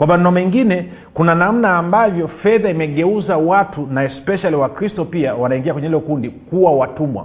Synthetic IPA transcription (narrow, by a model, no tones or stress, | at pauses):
kwamannɔmɛŋɡinɛ | kunanam̩naːmbavjɔfɛðaimɛɠɛuzawatunaɛspɛʃaliwakɾistɔpiawanaiŋɡiakwɛɲɛilɔkundikuwawatumwa̰